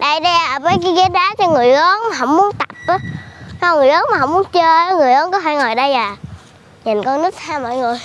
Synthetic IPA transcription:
ɗa˧jɗɛ˧a˨˩vəː˨˦jki˨˦ɣə˨˦˥t̚ɗaː˨˦˥t͡ɕɔ˧ŋɨ˨˩əjʔə˨˦nmaː˨˩ɦə˧˦wŋ͡mmu˨˦ənt̪a˨˩p̚ʔaː˨˦tɔ˧ŋɨ˨˩əjʔəː˨˦nma˨˩ɦə˧˦wŋ͡mu˨˦ənt͡ɕəː˧˨˦ŋɨ˨˩əjʔəː˨˦nkɔ˨˦ɦa˧˦ŋɔ˨˩jɗa˧jlaː˨˩ | ɲə˨˩nkɔ˧nnɨ˦˥k̚t̪ʰaː˧mɔ̰˧˨jŋɨ˨˩əj

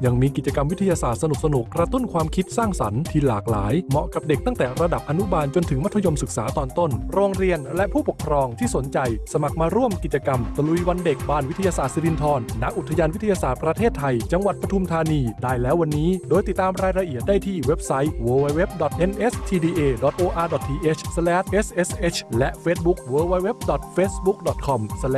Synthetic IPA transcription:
ja˨˧˩ŋmiː˧ki˨˩t͡ɕa˧ka˧mwi˦˥t̪ʰːa˧jaː˧saː˨˩t̪̚sa˧nu˨˩p̚sa˧nu˨˩kːɾa˧t̪u˥˩nkʰwaː˧mkʰi˦˥t̪̚saː˥˩ŋsa˩˦nt̪ʰiː˧laː˨˩k̚laː˩˦jmɔ˨˩ka˨˩p̚de˨˩k̚t̪aː˥˩ŋt̪ɛː˨˩ɾa˧da˨˩p̚ʔa˧nu˦˥baː˧nt͡ɕo˧nt̪ʰɯ˩˦ma˦˥t̪ʰːa˧jo˧msɯ˨˩k̚saː˩˦t̪ɔː˧nt̪o˥˩nɾoː˧ŋɾi˧ənlɛ˦˥ʔpʰuː˥˩po˨˩kʰɾɔː˧ŋt̪ʰiː˥˩so˩˦nt͡ɕa˧jsa˧ma˨˩k̚maː˧ɾu˥˩əmki˨˩t̪̚t͡ɕa˧ka˧mta˧lu˧ijwa˧nde˨˩k̚baː˧˩nwi˦˥t̪ʰa˧ja˧saː˨˩t̪̚si˧ɾi˧nt̪ʰɔː˧nːa˦˥k̚ʔu˨˩t̪ʰːa˧jaː˧nwi˦˥t̪ʰːa˧jaː˧saː˨˩t̪̚pɾa˧t̪ʰeː˥˩t̪ʰːa˧jt͡ɕa˧ŋwa˨˩t̪̚pɾa˧t̪ʰu˧mt̪ʰaː˧niː˧daː˧˩jlɛː˦˥wːa˧nːiː˦˥doː˧jt̪i˨˩t̪ːaː˧mɾaː˧jɾa˧ʔi˨˩ət̪̚daː˥˩jt̪ʰiː˥˩we˦˥p̚sa˦˥jwɤː˧wa˧jwe˦˥p̚dɔ˨˩t̪̚ʔe˧nʔe˦˥st̪ʰiː˧diː˧ʔeː˧dɔ˨˩t̪̚ʔoː˧ʔaː˧dɔ˨˩t̪ʰiː˧ʔe˦˥t͡ɕʰsa˧lɛː˦˥t̪̚ʔe˦˥sʔe˦˥sʔe˦˥t͡ɕʰlɛ˦˥ʔfeː˦˥t̪̚bu˦˥k̚wəː˧wa˧˥jwe˦˥p̚dɔ˨˩t̪̚feː˦˥t̪̚bu˦˥k̚dɔ˨˩t̪̚kʰɔ˧msl

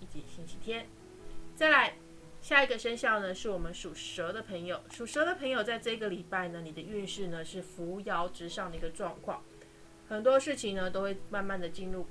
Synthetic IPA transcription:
i˥˩t͡ɕi˧˥ɕi˥nt͡ɕʰi˧˥t̪ʰjɛ˥n | t͡sa˥˩ɪla˧˥ɪ | ɕja˥˩i˧ɡə˨ʂə˥nɕjɑ˥˩ʊnə˩ʂɻ̩˥˩wɔ˨˩mə˦nʂu˨˩ʂɤ˧˥d̪ə˨pʰə˧˥ŋjo˨˩˦ʊʂu˨˩ʂɤ˧˥d̪ə˨pʰɤ˧˥ŋjo˨˩ʊt͡sa˥˧ɪʈ͡ʂɤ˥˩i˧ɡə˨li˨˩pa˥˩ɪnə˩ni˨˩d̪ə˦y˥˧nʂɻ̩˥˩nə˩ʂɻ̩˥˩fu˧˥jɑ˧˥ʊʈ͡ʂɻ̩˧˥ʂɑ˥˩ŋd̪ə˨˩i˧ɡə˧ʈ͡ʂwɑ˥˧ŋkʰwɑ̰˥˩ŋ | xə˨˩nt̪wɔ˥ʂɻ̩˥˩t͡ɕʰi˨˩ŋnə˧t̪o˥ʊwe˥˧ɪma˥˧nma˥˩nd̪ə˩t͡ɕi˥˧nɻu˥˩

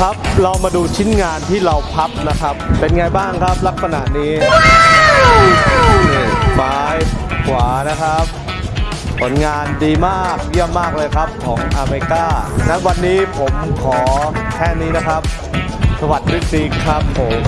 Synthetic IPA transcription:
kʰa˦˥p̚ɾa˧wmaː˧duː˧t͡ɕʰi˦˥nŋaː˧nt̪ʰiː˥˩ɾa˧wpʰa˦˥p̚na˦˥kʰɾa˦˥p̚ːe˧nŋa˧jbaː˥˩ŋkʰɾa˦˥p̚la˦˥k̚sa˧naː˨˩niː˦˥ | maː˩˦jkʰwaː˩˦na˦˥kʰɾa˦˥p̚ | pʰu˩˦nŋaː˧ndiː˧maː˥˩k̚ji˥˩əmːaː˥˩k̚lɤː˧jkʰa˦˥p̚kʰɔː˩˦ŋʔaː˧me˧i˧kaː˥˩na˦˥wa˧nːiː˦˥pʰo˩˦mkʰɔː˩˦kʰɛː˥˩niː˦˥na˦˥kʰa˦˥p̚ | sa˧wa˨˩t̪̚pʰɾi˦˥˩si˦kʰːɾa˦˥p̚ho˩˦m

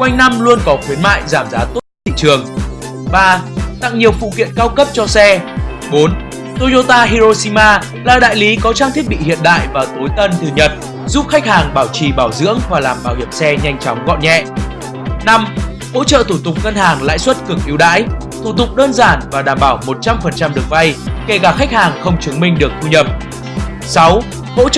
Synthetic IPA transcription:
kwa˧jŋ̟na˧mlu˧ənkɔ˨˦xwi˨˦ənma̰ː˧˨jzaː˧˩mzaː˨˦t̪o˦˥t̚t̪ʰḭ˧˨t͡ɕɨ˨˩əŋ | ɓaː˧t̪a̰˧˨ŋɲi˨˩əwfṵ˧˨kḭ˧˨ənkaː˧wkə˦˥p̚t͡ɕɔ˧sɛ˧ | ɓo˨˦n | t̪o˧zo˧t̪aː˧ɦi˧zo˧si˧maː˧ | laː˨˩ɗa̰ː˧˨jli˨˦kɔ˨˦t͡ɕaː˧ŋt̪ʰi˦˥ət̚ɓḭ˧˨hḭ˧˨ənɗa̰ː˧˨jvaː˨˩t̪o˨˦jt̪ə˧nt̪ɨ˨˩ɲə˨˩t̚ | zu˦˥p̚xa˦˥jk̟̚haː˨˩ŋɓaː˧˩wt͡ɕi˨˩ɓaː˧˩wzɨ̰˧˥əŋvaː˨˩laː˨˩mɓaː˧˩whi˧˩əmsɛ˧ɲa˧jŋ̟t͡ɕɔ˨˦wŋ͡mɣɔ̰˧˨nɲɛ̰˧˨ | na˧m | ho̰˧˥t͡ɕə̰ː˧˨t̪ʰu˧˩t̪ʊ˨˩k͡p̚ŋə˧nhaː˨˩ŋla̰ː˧˥jswə˦˥t̚kɨ˨˩ək̚ʔi˨˦wɗa̰ː˧˥j | t̪ʰu˧˩t̪ʊ˨˩k͡p̚ɗəː˧nzaː˧˩nvaː˨˩ɗaː˧˩mɓaː˧˩wmo˨˩t̚t͡ɕa˧mfə˨˩nt͡ɕa˧mɗɨ˨˩ək̚va˧jke˧˩kaː˧˩xa˦˥k̟̚haː˨˩ŋxə˧wŋ͡mt͡ɕɨ˨˦ŋmï˧ŋ̟ɗɨ˨˩ək̚fu˧ɲə˨˩p̚ | sa˨˦w | ho̰˧˥

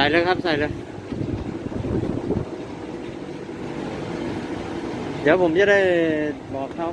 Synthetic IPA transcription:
aː˨˦jlɤː˧kʰa˦˥p̚saː˨˩˦jlɤː˧ | d̪i˨˦wpʰo˩˦mt͡ɕa˧˦da˥˩jbɔː˨˩k̚ʰːa˧˥˩

